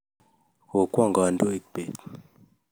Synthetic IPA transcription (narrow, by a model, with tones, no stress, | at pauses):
ko˨kwa˦˨ŋɡa˨n˦do˦e˦˨k̚k͡pe˨t